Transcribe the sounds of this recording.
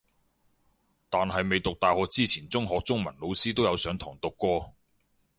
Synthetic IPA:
t̪aː˨nɦɐ˨jme˨˧jt̪ʊ˨k̚t̪aː˨jhɔː˨k̚t͡siː˥t͡sʰiː˨˩nt͡sʊ˥ŋɦɔː˨k̚t͡sʊ˥ŋmɐ˨˩nlo˨˧wsiː˥t̪o˥wjɐ˨˧wsœː˨˥ŋt̪ʰɔː˨˩ŋt̪ʊ˨kːɔː˧

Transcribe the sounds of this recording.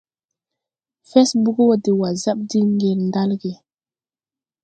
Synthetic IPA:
fɛ˦sbu˦ɡo˦wde˨wa˨za˦ɓ̚di˦ŋɡe˨lnda˦lɡe˨

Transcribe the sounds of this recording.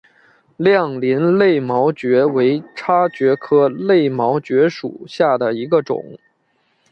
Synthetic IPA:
ljɑ˥˩ŋli˧˥nle˥˩ɪmɑ˧˥ʊt͡ɕɥɛ˧˥we˧˥ɪʈ͡ʂʰa˥t͡ɕɥɛ˧˥kʰɤ˥le˥˩ɪmɑ˧˥ʊt͡ɕɥɛ˧˥ʂṵ˨˩ɕja˥˩d̪ə˩i˧˥ɡə˧ʈ͡ʂʊ̰˨˩˦ŋ

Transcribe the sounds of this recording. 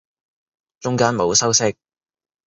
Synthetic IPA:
t͡ʃʊ˥ŋkaː˥nmo˨˧wsɐ˥wsɪ˥k̚

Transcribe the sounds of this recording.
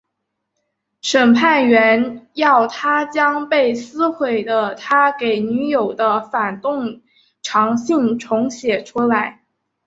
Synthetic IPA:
ʂə˨˩npʰa˥˩nɥɛ˧˥njɑ˥˩ʊt̪ʰa˥t͡ɕjɑ˥ŋpe˥˩ɪsɹ̩˥xwe˨˩ɪd̪ə˦t̪ʰa˥ke˨˩ɪny˧˥jo˨˩ʊd̪ə˦fa˨˩nt̪ʊ˥˩ŋ | ʈ͡ʂʰɑ˧˥ŋɕi˥˩ŋʈ͡ʂʰʊ˧˥ŋɕjɛ˨˩ʈ͡ʂʰu˥la˧˥ɪ

